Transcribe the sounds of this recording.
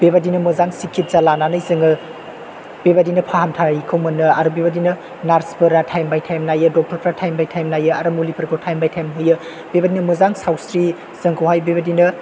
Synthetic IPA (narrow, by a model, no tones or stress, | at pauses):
bebadinɯmɯzaŋsikʰit̚zalananɯjzɯŋɯ | b̥ebadinɐpʰaɦamtʰajikʰɯwmɯnɯaɾubebadinɐ | naɾspʰɯɾatʰajmbajtʰajmnajɯdɔk̚tʰɔɾpʰɾatʰajmbajtʰajmnajɯaɾɐmulipʰɯɾkʰotʰajmbajtʰajmɦɯjɯ | b̥ebadinɐmɯzaŋsawsɾi | z̥ɯŋkʰowɦajbebadinɯ